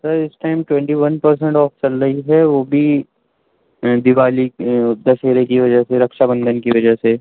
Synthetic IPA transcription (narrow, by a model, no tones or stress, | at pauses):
sɐɾɪsʈaːɪmʈwɛ̃ɳʈiʋɐnpɐɾs̬ɛ̃ɳʈɔːft͡ʃɐlɾɐɦiɦɛʋoːbʱi | d̪ɪʋaːlid̪ɐseːɾekiʋɐd͡ʒəɦseɾɐkʃabə̃nd̪ʱənkiʋɐd͡ʒəɦse